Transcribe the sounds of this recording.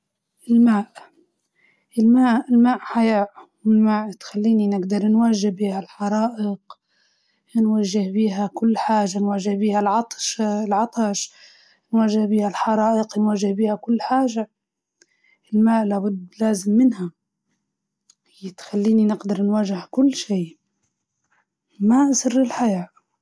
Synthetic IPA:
ʔɪlmaːʔ | ʔɪlmaːʔɪlmaːʔħajaʔwɪlmaːʔt̪xalːiːninɪɡd̪ɑɾˤnwaʒːɪhbiːhalħɑɾˤɑːʔɪq | nwaʒːɪhbiːɦakʊlːħaːʒanwaʒːɪhbiːhalʕɑt̪ˤʃlʕɑt̪ˤɑʃ | nwaʒːɪhbiːhalħɑɾˤɑːʔɪqnwaʒɪhbiːhakʊlːħaːʒa | ɪlmaːʔlabʊd̪ːlaːzɪmːɪnha | jːɪt̪xalːiːninɪɡd̪ɑɾˤnwaːʒɪhkʊlːʃiːʔ | maʔsɪrːɪlħajaːʔ

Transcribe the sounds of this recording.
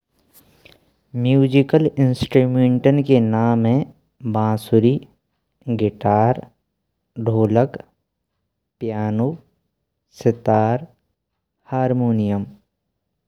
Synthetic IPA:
mjuːd͡ʒɪkəlɪnsʈɾuːmẽːɳʈənkenaːmɦẽ | bãːsʊɾiː | ɡɪʈaːɾ | ɖʱoːlək | pjaːnuː | sɪt̪aːɾ | haːɾmoːnijəm

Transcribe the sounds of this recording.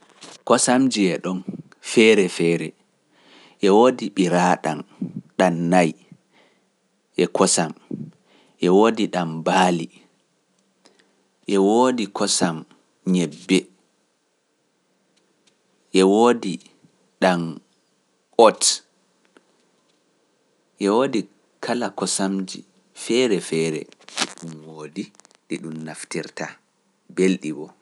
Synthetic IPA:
kɔsamd͡ʒiɛɗɔn | fɛɾɛfɛːɾɛ | ʔɛwoːdiɓiɾaɗanɗanːaj | ʔɛkʰɔsam | ʔɛwoːdiɗambaːli | ʔɛwoːdikʰɔsam | ɲɛbːɛ | ʔɛwoːdi | ɗam | ɔt | ʔɛwoːdi | kʰalakɔsamd͡ʒḭ | fɛɾɛfɛːɾɛ̰ɗiɗumwoːdi | ɗiɗumnaftiɾta | belɗibɔ

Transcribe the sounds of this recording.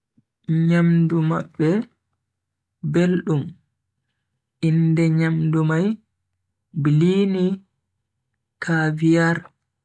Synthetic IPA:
ɲamdumaɓːɛ | belɗum | ʔindɛɲamdumaj | biliːni | kʰaːvijaɾ

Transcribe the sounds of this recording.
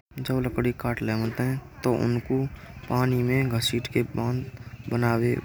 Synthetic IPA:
d͡ʒəbləkɽikaːʈlɛːmət̪ɦɛ̃t̪oʔʊ̰nkopaːnimẽɡʱəsiːʈkebãːnd̪bənaːwe

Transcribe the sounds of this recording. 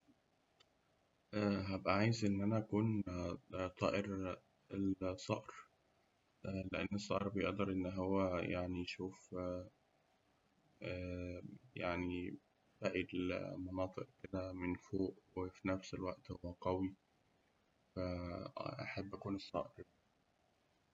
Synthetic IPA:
ʔæɦæbʔæʕaːjezʔenːʔænæʔækuːn | t̪ˤɑ̰ːʔeɾ | elsˤːɑʔɾ | ʔleʔenːesˤːɑ̰ʔɾˤbejeʔd̪ɑɾˤʔenːɦowːæjaʕnijʃuːf | æ | jaʕni | bæʔilmɑnɑːt̪ˤeʔked̪æmenfoːʔwefinæfselwæʔt̪howːæqɑwi | fæʔaħabːʔækuːnesˤːɑ̰ːʔeɾi

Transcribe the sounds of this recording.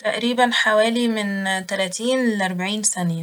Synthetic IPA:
t̪aʔɾiːbænħawæːlimɪnt̪ælæːt̪iːnleʔɑɾˤbaʕiːnsæn

